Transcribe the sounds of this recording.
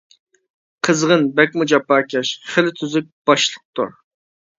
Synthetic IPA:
qʰəzʁənbɛk̚ʲmud͡ʒɑpɑːkʲɛʃχəlɪt̪ʰyzɪk̚ʲb̥ɑʃlˠəq̚t̪ṵɾ

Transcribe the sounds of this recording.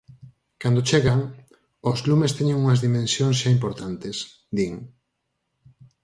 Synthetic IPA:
kand̪ot͡ʃeɣaŋ | ozlumest̪eɲẽŋuŋɐzðimẽnsjoŋs̬ʃaimpoɾt̪ant̪es | d̪iŋ

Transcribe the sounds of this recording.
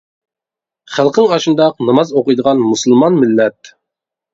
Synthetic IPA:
χælˠqʰŋɑʃɨnd̪ɑqnɑmɑzoqəjd̪əʁɑnmusɨlˠmɑnmɪlːɛt̪̚

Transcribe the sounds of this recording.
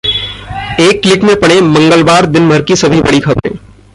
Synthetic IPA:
eːkːlɪkmẽpɐɽ̃emɐ̃ŋɡəlʋaːɾd̪ɪnbʱəɾkisɐbʱibɐɽikʰɐbɾḛ̃ː

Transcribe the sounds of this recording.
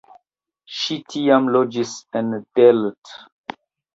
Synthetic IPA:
ʃitʰiãmlɔd͡ʒisɛ̃nb̥ɛlt

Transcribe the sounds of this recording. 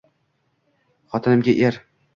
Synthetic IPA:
χɒt̪ʰɪnɪmɡʲaʔeɾ

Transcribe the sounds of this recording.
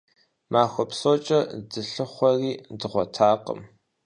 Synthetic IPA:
maːxʷɔpsot͡ʃʼɐdɨɬɨχʷɔriːdɨʁʷɔtʰaːqə̰m

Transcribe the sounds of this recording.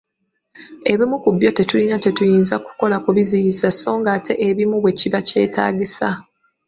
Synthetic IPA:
e̞βimukubjo̞te̞tulinate̞tujiːnzaku̥ko̞lakuβizijizaso̞ːŋɡaːtʰe̞ʔeβimuβwe̞ciβace̞̰ːtʰa̰ːɟisa̰

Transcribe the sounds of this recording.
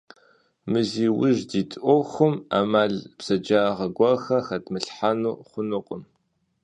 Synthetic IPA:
mɨziːwʊ̰ʒdiːtʰʼʔʷoxʷʊma̰ːmaːɮpsɐd͡ʒaːʁɐɡʷɐxɐxɐtʰmɨɬħanuːχʷʊnʊqʷʼəm

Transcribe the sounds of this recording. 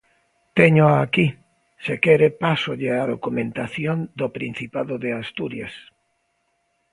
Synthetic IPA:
t̪eɲoaki | sekeɾepasʊʎeaðokumẽnt̪aθjond̪opɾin̟θipaðoðeast̪uɾjas

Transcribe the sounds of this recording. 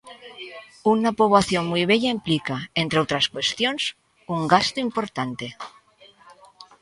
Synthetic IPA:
unapoβ̞laθjo̞ŋmujβ̞eʎaimplikaent̪ɾeot̪ɾaskwe̞st̪jons | uŋɡast̪oimpo̞ɾt̪ant̪e̞

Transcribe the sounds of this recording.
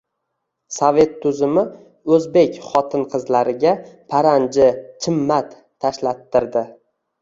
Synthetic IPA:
sove̞t̪ʰːʊzɪmɪ | ɵzbe̞kʲχɒt̪ʰɪnqʰɨzlaɾɪɡʲapʰaɾand͡ʒɪt͡ʃʰɪmːat̪ʰːaʃlat̪ʰːɪɾd̪ɪ

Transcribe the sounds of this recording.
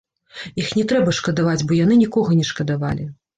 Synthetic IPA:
ixnʲɛt̪ɾɛbɐʂkɐd̪avad͡zʲbɔjan̪ɨnʲikɔɣɐnʲɛʂkɐd̪ava̰lʲi

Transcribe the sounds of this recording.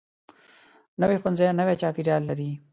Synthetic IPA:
nəwexʊnzajanəwet͡ʃɑːpiɾjɑlːaɾi

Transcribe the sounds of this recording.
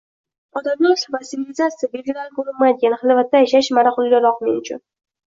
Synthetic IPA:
ɒd̪amjasvasɪvilʲɪzat̪sɨjabeɡʲɪlaɾɡoɾʊmmːajd̪ɪɡʲanɪhɨlˠvat̪ːajaʃaʃmaɾaχʊlˠɡʲalɒqmenʊt͡ʃʰʊ̰n

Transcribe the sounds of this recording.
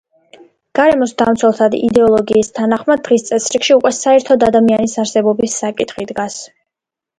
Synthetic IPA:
ɡ̥aɾɛmɔsd̪amt̪sʰwɛlˠt̪ʰad̪ḭd̪ɛɔlˠɔɡiːst̪ʰanaχmad̪̚ːʁist̪sʼɛsɾikʃiukʼwɛsaɛɾt̪ʰɔd̪ad̪amianisaɾsɛbɔbisːakʼit̪ʰχid̪ɡas

